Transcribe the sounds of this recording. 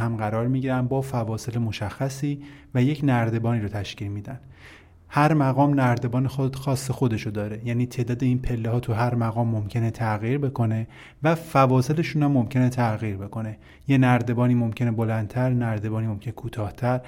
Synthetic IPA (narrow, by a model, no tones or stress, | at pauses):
hæmɢæɾɒːɾmiɟiːɾænbɒːfævɒːse̞lemo̞ʃæxːæsiːvæje̞cʰnæɾd̪e̞bɒːniːɾot̪ʰæʃciːlmiːd̪æn | hæɾmæɣɒːmnæɾd̪e̞bɒːnexoxɒːsːexo̞d̪e̞ʃod̪ɒːɾe̞jæːniːt̪ʰe̞ːd̪ɒːd̪eiːnpʰe̞lːeɦɒːt̪ʰuɦæɾmæɣɒːmːomcʰe̞net̪ʰæɣiːɾbe̞kʰo̞ne̞ | væfævɒːse̞le̞ʃuːnæmːo̞mcʰe̞net̪ʰæɣiːɾbe̞kʰo̞ne̞ | je̞næɾd̪e̞bɒːniːmomcʰe̞nebo̞lænd̪t̪ʰæɾnæɾd̪e̞bɒːniːmomcʰenekʰuːt̪ʰɒːht̪ʰæɾ